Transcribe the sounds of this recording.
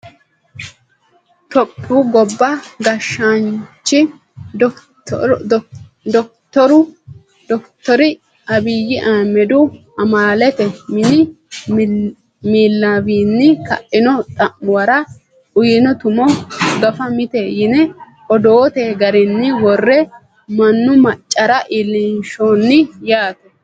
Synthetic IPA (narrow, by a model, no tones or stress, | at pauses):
t̪ɔpʰʼːuːɡɔbːɐɡɐʃːant͡ʃːɪ | d̪ɔk̚t̪ːɔɾʊ | d̪ɔkt̪ːɔɾɪ | ɐbɪjɪʔaːmɛd̪ʊ | ɐmaːlɛt̪ɛmɪnɪ | miːlːabiːnːɪkɐ̰ʔːɪnɔt̪ʼɐmwɐɾɐ | ʊjɪnɔt̪ʊmɔɡɐfɐmɪt̪ɛjɪnɛ | ɔd̪oːt̪eːɡɐɾɪnːɪwɔrːɛ | mɐnːʊmɐt͡ʃʼːɐɾɐʔɪlɪnʃonːɪjaːt̪ɛ